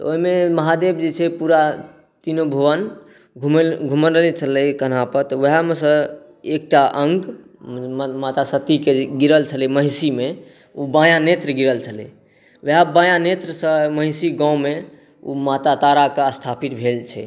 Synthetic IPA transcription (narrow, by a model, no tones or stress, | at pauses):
t̪əoimeməɦad̪ebd͡ʒet͡ʃʰɛpuɾa | t̪inobʱəwən | ɡʱumɡʱumənəlɛt͡ʃʰəlɛkən̤apəɾt̪əʋeɦamesə̃ | ek̚ʈaʔəŋɡ | mat̪asət̪ikeɡiɾəlt͡ʃʰəlɛeməɦsime | ubãjanet̪ɾəɡiɾəlt͡ʃʰəlɛ̰ | ʋeɦabãjanet̪ɾəsə̃məɦɪsiɡãũme | ṵmat̪at̪aɾakast̪ʰapit̪bʱelt͡ʃʰɛ̰